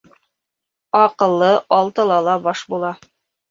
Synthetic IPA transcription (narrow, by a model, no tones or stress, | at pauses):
ɑqɤ̆lˠːɤʔɑlˠt̪ɤlˠɑlˠɑbɑʃbulˠɑ